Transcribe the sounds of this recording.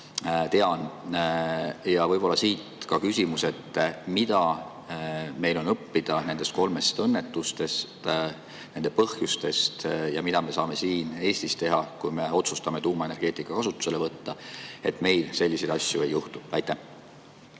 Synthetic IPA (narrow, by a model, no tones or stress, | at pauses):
t̪e̞ɑn | jɑvɤjb̥o̞lːɑsiːt̪kɑkysʲimuse̞t̪ːˑmid̪̥ɑ | me̞jlo̞nɤpːid̪̥ɑne̞nd̪e̞st̪ko̞lme̞st̪ɤnːe̞t̪ːust̪e̞st̪ | ne̞nd̪e̞pɤ̞hjust̪e̞st̪jɑmid̪ɑme̞sɑːme̞siːneːsʲt̪ist̪e̞ɦɑkujme̞o̞t̪sust̪ɑme̞t̪uːmɑe̞ne̞rɡ̥e̞ːt̪ˑikːˑɑkɑsut̪ːˑu̥se̞le̞vɤt̪ːɑe̞̰t̪ˑme̞jlse̞lʲːise̞d̪ɑsʲjue̞jːuht̪uæjt̪ːæh